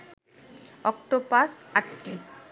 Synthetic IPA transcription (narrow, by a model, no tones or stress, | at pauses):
ɔk̚ʈɔpasaʈːi